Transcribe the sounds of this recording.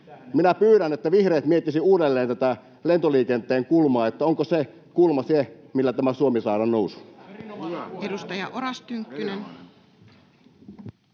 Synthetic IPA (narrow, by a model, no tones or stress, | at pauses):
minæpyːɾænet̪ːæʋihreːt̪miet̪ːisiuːdelːeːnt̪æt̪æ | lent̪oliːkent̪ˑeːŋkulmɑːet̪ːæoŋkose | kulmɑse | milːæt̪æmæsuomisɑːɾɑnnousu̥ | edust̪ɑjɑʔoɾɑst̪yŋkːynen